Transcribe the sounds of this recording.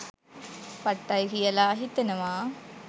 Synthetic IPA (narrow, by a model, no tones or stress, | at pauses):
pɐʈːɐjɣijɐlaːɦit̪ːɐnɐmaː